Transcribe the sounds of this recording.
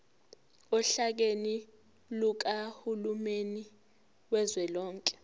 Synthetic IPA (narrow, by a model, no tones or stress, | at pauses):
ɔɬak̬eni | luk̬ahulumeni | wɛzwɛlɔːŋkʼɛ̥